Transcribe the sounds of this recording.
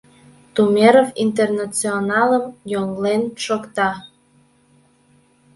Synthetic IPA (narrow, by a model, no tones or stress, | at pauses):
t̪umeɾofint̪̬ernat͡sionɑləmjoŋlenʃokt̪ɑ